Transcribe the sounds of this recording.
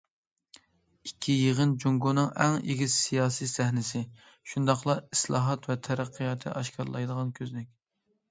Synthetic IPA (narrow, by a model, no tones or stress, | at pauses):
ikʲʰːijeʁənd͡ʒoŋɡonɨŋɛŋḛɡʲizsijɑːsisæhnɪsɪ | ʃund̪ɑχlˠɑislˠɑ̰ːɦɑt̪vɛt̪ʰɛɾæqʰːɨjɑt̪ʰːɨ̰ʔɑʃkʰɑɾlˠɑ̰jd̪əʁɑnkʲʰøzlɪkʲ